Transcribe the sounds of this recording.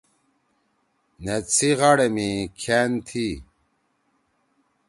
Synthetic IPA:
net͡sʰiʁaɽemikʰent̪ʰi

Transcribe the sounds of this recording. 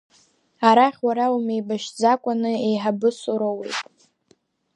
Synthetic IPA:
aɾaχʲwaɾawume̞jbaʃd͡zakʷʼanɨejħabɨsʊɾowe̞̰jtʼ

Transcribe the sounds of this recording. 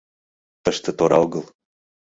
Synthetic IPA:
t̪əʃt̪ə̆t̪oɾɑ̰lˠɣɤlˠ

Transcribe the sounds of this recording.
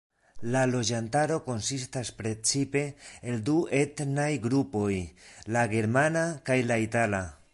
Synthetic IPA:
lalo̞d͡ʒantaɾo̞ko̞nsistaspɾe̞t͡sipe̞ːldue̞tnajɡɾupo̞jlaɡe̞ɾmanakajlaitala

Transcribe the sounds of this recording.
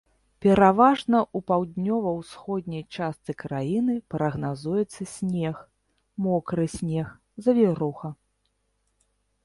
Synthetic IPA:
pʲɛɾavaʐnɐʔupawd̪ʲnʲɔvɐwsxɔd̪ʲnʲɐjt͡ʂast̪sɨkɾajinɨpɾɐɣnazujɛt̪sːɐsʲnʲɛx | mɔkɾɨsʲnʲɛx | zɐvʲiɾɔxɐ

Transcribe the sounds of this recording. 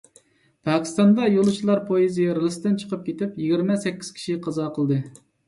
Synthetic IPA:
pʰɑkʲi̥st̪ɑnd̪ɑjolˠut͡ʃʰilˠɑɾpʰojizijɾɨlˠɨst̪ɪnt͡ʃʰə̥qʰəp̚kʲet̪ɪpjiɡʲiɾmɛsɛkʲːi̥z̥kʲʰi̥ʃiqʰɑzɑqʰəlˠd̪ɨ

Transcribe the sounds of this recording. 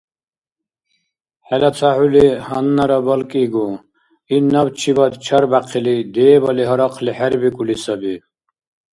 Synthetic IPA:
hɛlat͡s̪ʰahulihɐnːɐɾɔbɔlkʼiɡu | inʌbt͡ʃʰibʌd̪t͡ʃʰʌɾbaqʰilid̪eːbɔliɦɔɾɔqʰliħɛɾbikʼulisɔbi

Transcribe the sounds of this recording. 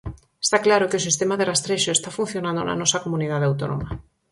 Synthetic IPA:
e̥st̪aklaɾokeos̬ist̪emaðɪrast̪ɾeʃoest̪afun̟θjonãnd̪o̰nɐ̰nɔsɐkomunið̞aðeawt̪o̰no̰mɐ

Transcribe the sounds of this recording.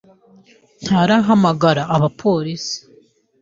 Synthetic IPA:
n̥aɾaɦamaɡaɾaʔːβapʰo̞ːɾisi̥

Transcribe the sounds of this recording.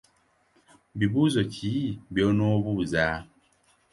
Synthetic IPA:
biβuzocʰibjɔnɔβuza

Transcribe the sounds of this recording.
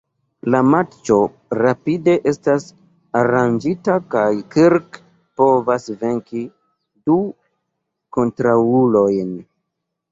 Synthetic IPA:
lamat͡ʃo̞ | ɾapide̞ʔe̞stas | aɾand͡ʒitakajkiɾk | po̞vasve̞ŋki | du | ko̞ntɾaulo̞jn

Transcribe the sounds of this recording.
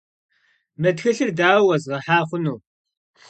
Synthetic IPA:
mɐtxɐɬɨrdaːwɐzʁɐħaːχʷʊnuː

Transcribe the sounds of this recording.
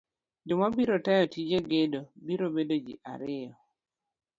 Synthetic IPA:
d͡ʒʊmabiɾotɛjɔtid͡ʒeɡedobiɾobedod͡ʒḭʔa̰ɾɪɔ

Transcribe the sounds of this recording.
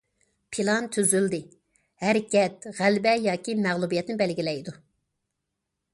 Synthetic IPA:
pʰilˠɑnt̪ʰyzyld̪ɪ | hɛɾkʲɛt̪ʁælbɛjɑːkʲimæʁlˠubijɛt̪nɪbɛlɡʲilɛjd̪u

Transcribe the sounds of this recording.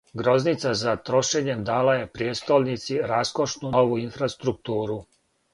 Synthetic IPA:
ɡɾo̞znit̪sazat̪ɾo̞ʃe̞ɲe̞md̪aːlaje̞pɾjeːt̪st̪olnit̪siɾasko̞ʃnuoʋuinfɾast̪ɾuk̚t̪uːɾu

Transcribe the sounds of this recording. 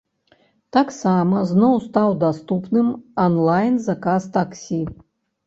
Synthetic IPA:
t̪aksamɐznɔwst̪awd̪ast̪upnɨmɐnlˠajnzɐkast̪aksʲi

